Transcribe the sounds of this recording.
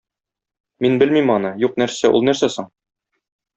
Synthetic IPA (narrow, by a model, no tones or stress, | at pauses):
minbɘlmimɒnɤjuqnæɾsæʔṵlˠnæɾsæsɤɴ